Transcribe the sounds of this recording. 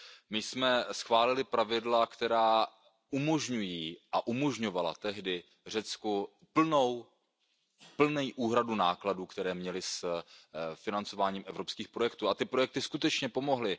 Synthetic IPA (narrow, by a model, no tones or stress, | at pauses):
mɪjsmɛsxvaːlɪlɪpɾavɪdlakt̪ɛɾaː | umo̞ʒɲujiːʔaʔumo̞ʒɲo̞vala̰t̪ɛɦdɪ | r̝ɛt͡sku | pl̩now | pl̩nɛjʔuːɦɾadunaːkladuːkt̪ɛɾɛːmɲɛlɪs | fɪnant͡so̞vaːɲiːmʔɛvɾopskiːxpɾojɛkt̪uːat̪ɪpɾo̞jɛk̚t̪ɪskut̪ɛt͡ʃɲɛpo̞mo̞ɦlɪ